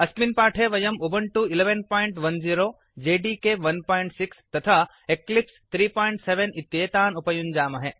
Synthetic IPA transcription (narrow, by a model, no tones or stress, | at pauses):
ɐsminpaːʈʰeʋɐjɐmubɐɳʈuileʋenpɔːɪɳʈʋɐnziːɾoː | d͡ʒeːɖikeʋɐnpɔːjɳʈsikst̪ɐt̪ʰa | eklipst̪ʰɾiːpɔːiɳʈseʋenit̪ːjeːt̪aːnupɐjund͡ʒaːmɐɦe